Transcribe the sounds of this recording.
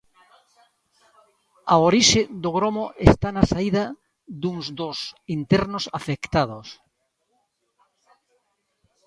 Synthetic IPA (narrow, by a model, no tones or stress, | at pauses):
aoɾiʃed̪oɣɾomoʔest̪anasaiðɐ | d̪uŋzd̪osint̪eɾnʊsafekt̪að̞os